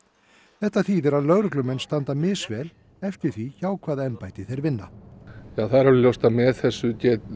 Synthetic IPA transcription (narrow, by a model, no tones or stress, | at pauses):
θɛht̪aθiːðɛɾaðlœɣɾʏklʏmɛnst̪ant̪amɪːsvɛːl | ɛfcɪɾ̥θviçaːwkʰvaːðaɛnpajt̪ɪθejɾvɪnːajaːθaðɾalʏljowst̪amɛðθɛsːʏcɛːt̪